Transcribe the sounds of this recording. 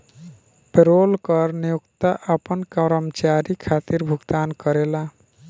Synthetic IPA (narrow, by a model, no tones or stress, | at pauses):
peɾoːlkəɾnijukt̪aʔəpənkəɾəmt͡ʃaɾikʰat̪iɾbʱuɡt̪ankəɾela